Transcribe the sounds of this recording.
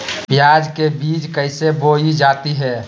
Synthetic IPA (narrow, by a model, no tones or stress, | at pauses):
bjaːd͡ʒkebiːd͡ʒkəɪseboːid͡ʒaːt̪iɦɛː